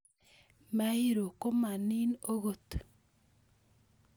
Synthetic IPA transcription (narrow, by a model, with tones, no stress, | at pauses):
ma˦hi˦ɾo˨ko˦ma˨ni˦no˦ɣo˨tu̥˨